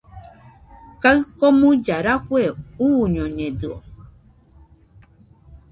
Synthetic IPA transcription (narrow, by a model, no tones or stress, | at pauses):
kaɰkɔmũd͡ʒaɾakʷweuɲɔ̃ɲɛ̃d̪ɨo̰